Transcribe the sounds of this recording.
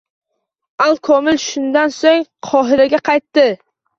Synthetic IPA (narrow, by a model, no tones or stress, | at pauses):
alˠkʰɒmɪlʃʊnd̪ansoŋqʰɒɦɪɾaɡʲaqʰɑjt̪ːɪ